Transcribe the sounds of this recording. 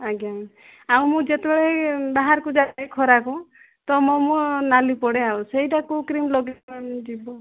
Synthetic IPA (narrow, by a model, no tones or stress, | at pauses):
aɡã | aw̃mũd͡ʒet̪ebɛɭebaɦaɾkud͡ʒaajkʰɔɾaku | t̪ɔmɔmũnalipɔɽeawsejʈakukɾimlɔɡed͡ʒibɔ